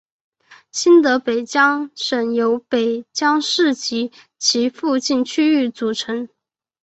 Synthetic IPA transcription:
ɕi˥nt̪ɤ˧˥pe˨˩ɪt͡ɕjɑ˥ŋʂə˨˩njo˧˥ʊpe˨˩ɪt͡ɕjɑ˥ŋʂɻ̩˥˩t͡ɕi˧˥ | t͡ɕʰi˧˥fu˥˧t͡ɕi˥˩nt͡ɕʰy˥y˥˩t͡su˨˩ʈ͡ʂʰɤ˧˥ŋ

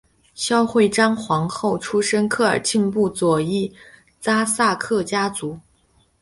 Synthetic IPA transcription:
ɕjɑ˥ʊxwe˥˩ɪʈ͡ʂɑ˥ŋxwɑ˧˥ŋxo˥˩ʊʈ͡ʂʰu˥ʂə˥nkʰɤ˥˩ə̰˞˨˩t͡ɕi˥˧npu˥˩t͡swɔ˨˩i˥˩ | t͡sa˥sa˥˧kʰɤ˥˩t͡ɕja˥t͡su˧˥

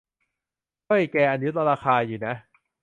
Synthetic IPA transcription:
o˥˩jkɛː˧ʔa˧nju˦˥t̪̚la˧ɾaː˧xʰaː˧juː˨˩na˦˥

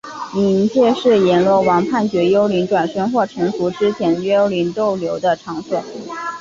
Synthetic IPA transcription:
i˧˥nt͡ɕjɛ˥˧ʂɻ̩˥˩jɛ˧˥nlwɔ˥˩wɑ˧˥ŋpʰa˥˩nt͡ɕɥɛ˧˥jo˥ʊli˧˥nʈ͡ʂwa˨˩nʂɤ˥nxwɔ˥˩ʈ͡ʂʰɤ˧˥ŋfu˧˥ʈ͡ʂɻ̩˥t͡ɕʰjɛ˧˥nɥɛ˥jo˥ʊli˧˥nt̪o˥˩ʊljo˧˥ʊd̪ə˧ʈ͡ʂʰɑ˧˥ŋswɔ˨˩˦

